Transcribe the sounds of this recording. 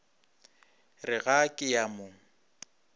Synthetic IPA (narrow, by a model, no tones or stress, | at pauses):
rɪɣakʼɪjamʊŋ̩